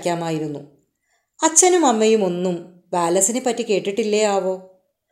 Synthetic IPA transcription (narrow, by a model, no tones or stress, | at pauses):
kʲːaːmaːjiɾunːu | ɐt͡ɕːɐnumɐmːɐjumo̞nːum | ʋaːlɐsinepːɐtːike̞ːʈːiʈːilːɐjaːʋo̞ː